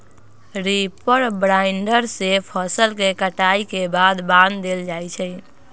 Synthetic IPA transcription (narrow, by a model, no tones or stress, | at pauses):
ɾipəɾbɾaɪɳɖəɾsepʰəsəlkekəʈaikebad̪bãnd̪d̪eld͡ʒajt͡ʃʰɛ